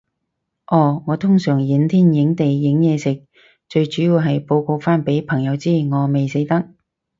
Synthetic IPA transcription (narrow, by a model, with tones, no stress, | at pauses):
ʔɔː˧˩ŋɔː˨˧t̪ʰʊ˥ŋsœː˨˩ŋji˨˥nt̪ʰiː˥njɪ˨˥ŋt̪e˨jːɪ˨˥ŋjɛː˨˧sɪ˨k̚ | t͡ʃɵ˧ɥt͡ʃyː˨˥jiː˨˧wɦɐ˨jpo˧wko˧wfaː˥npe˨˥jpʰɐ˨˩ŋjɐ˨˧wt͡siː˥˩ŋɔː˨˧me˨jse˨˥jt̪ɐ˥k̚